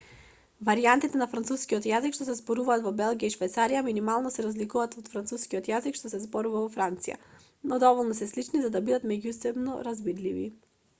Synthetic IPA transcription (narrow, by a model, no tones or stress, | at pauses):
vaɾiant̪it̪ɛnafɾant̪suskiɔt̪jazikʃt̪ɔsɛzbɔɾuvaːt̪vɔbɛlˠɡijaiʃvɛjt̪saɾijaminimalˠnɔsɛɾazlikuvaːt̪ɔt̪fɾant̪suskiɔt̪jazikʃt̪ɔsɛzbɔɾuvavɔfɾant̪sija̰ | nɔd̪ɔvɔlˠnɔsɛslit͡ʃnizad̪abid̪at̪mɛɟusɛbnɔ̰ɾazbid̪livḭ